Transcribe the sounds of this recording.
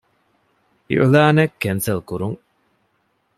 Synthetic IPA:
ḭʔulaːnekːensɐlkuɾuŋ

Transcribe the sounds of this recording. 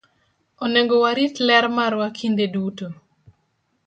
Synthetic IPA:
oneŋɡowaɾitlɛɾmaɾwakʰindeduto

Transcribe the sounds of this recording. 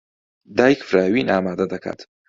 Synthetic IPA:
d̪aːjikfɾaːwinʔaːmaːd̪ɐd̪ɐkʰa̰ːt̪

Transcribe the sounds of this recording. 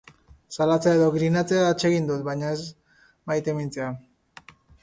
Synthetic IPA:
salat͡seae̞ðo̞ɣɾinat͡se̞aːt͡ʃe̞ɣind̪ut̪̚bajɲae̞z | majt̪e̞mint͡sea

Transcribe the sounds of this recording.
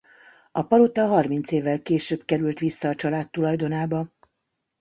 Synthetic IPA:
ɒpɒlot̪ɒɦɒrmint̪seːvːɛlkeːʃøːbkɛɾylt̪ʋisːɒːt͡ʃɒlaːt̪ːulɒjd̪o̞naːbɒ

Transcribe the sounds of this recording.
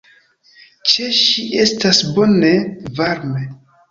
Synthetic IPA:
t͡ʃe̞ʃiʔe̞stasbo̞ne̞vaɾme

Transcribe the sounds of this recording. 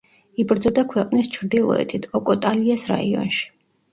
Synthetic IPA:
ibɾd̪zɔd̪akʰwɛqʼnist͡ʃʰɾd̪ilˠɔ̰ɛ̰t̪ʰit̪ʰɔkʼɔt̪ʼaliasɾa̰iɔ̰nʃi̥

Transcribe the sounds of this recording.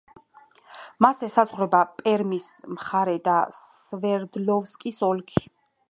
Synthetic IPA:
masɛsazʁwɾɛbapʼɛɾmis | mχaɾɛd̪as | vɛɾd̪lɔvskʼisɔlkʰi̥

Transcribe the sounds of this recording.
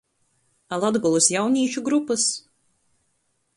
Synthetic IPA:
alˠad̪ɡɔlˠusjawnʲiːt͡ʃuɡɾupɨs

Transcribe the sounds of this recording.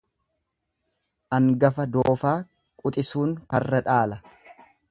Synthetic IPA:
ʔɐŋɡɐfɐd̪oːfaː | kʼʊt̪ʼɪsuːnkɐrːɐᶑaːlɐ

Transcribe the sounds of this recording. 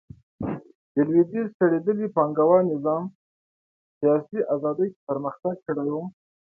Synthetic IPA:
d̪̥əlwid̪izt̪aɽed̪əlipɑŋɡawɑnɪzɑm | sijɑsiʔazɑd̪əjkpəɾməxt̪aɡ̚kəɽaju

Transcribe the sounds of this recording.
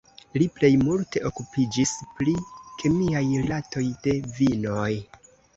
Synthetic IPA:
liple̞jmulte̞ʔo̞kupid͡ʒispɾikʰe̞miajlato̞jde̞vino̞j

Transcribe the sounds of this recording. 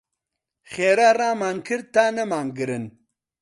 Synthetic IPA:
χeːɾaraːmaːnkʰɨɾ̚t̪anɐmaːnɡɨɾɨn

